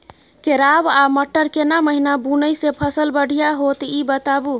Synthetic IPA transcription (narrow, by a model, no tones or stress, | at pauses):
keɾabaməʈːəɾkenaməɦinabunəjsepʰəsəlbəɽ̤ʱijaɦot̪ibət̪abu